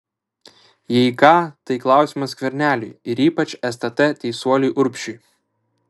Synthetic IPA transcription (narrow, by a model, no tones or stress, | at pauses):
jɛɪkɑːt̪ɐɪklˠɑˑʊsʲimɐskʲʋʲɛɾʲnʲæːlʲʊjɪɾiːpɐt͡ʃʲɛst̪ɐt̪ɛt̪ʲɛɪsuɔlʲʊjʔʊɾʲpʲʃʲʊj